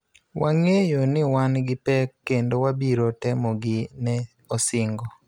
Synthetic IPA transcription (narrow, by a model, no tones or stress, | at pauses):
wʔaŋejonɪwanɡɪpɛkːendowabiɾotɛmɔɡɪnɛ | osɪŋɡɔ